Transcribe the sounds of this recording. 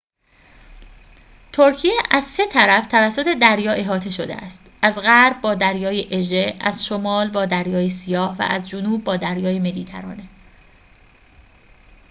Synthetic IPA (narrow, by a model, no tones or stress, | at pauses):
t̪ʰoɾcʰijeʔæzse̞t̪ʰæɾæft̪ʰævæsːot̪ʰe̞d̪æɾjɒːʔe̞ɦɒːt̪ʰe̞ʃod̪ḛæ̰st̪ʔæzɣæɾb̚bɒːd̪æɾjɒːjeʔeʒeʔæzʃomɒːlbɒːd̪æɾjɒːjesijɒːhvæ̰ʔæzd͡ʒonuːb̚ːɒːd̪æɾjɒːjeme̞d̪iːt̪ʰæ̰ɾɒ̰ːne